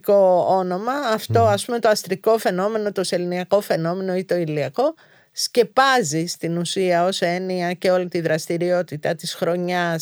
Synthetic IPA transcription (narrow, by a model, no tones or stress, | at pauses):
ko̞o̞no̞mɐːft̪o̞ɐspume̞t̪oɐst̪ɾiko̞fe̞no̞me̞no̞t̪oseliniɐko̞fe̞no̞me̞no̞it̪o̞iliɐko̞ | sce̞pɐzist̪inusiɐo̞se̞niɐce̞o̞lit̪iðɾɐst̪iɾio̞t̪it̪ɐt̪isxɾo̞ɲɐs